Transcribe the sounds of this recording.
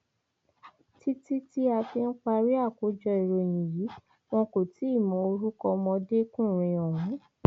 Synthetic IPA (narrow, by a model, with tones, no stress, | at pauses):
ti˦ti˦ti˦a˧fi˧n̩˦k͡pa˧ɾi˦a˦˨ko˨˦d͡ʒɔ˧i˨ɾo˧˨j̃ĩ˨ji˨˦ | w̃ɔ̃˧ko˨tʰi˨˦i˦˨mɔ̃˨˦o˧ɾu˦kɔ̃˧mɔ̃˧de˦kũ˦˨ɾ̃ĩ˧ɔ̃˨ɾwũ˨˦